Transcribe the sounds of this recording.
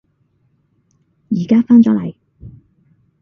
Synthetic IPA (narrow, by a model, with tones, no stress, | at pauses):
jiː˨˩kaː˥faː˥nt͡sɔː˨˥lɐ̰˨˩j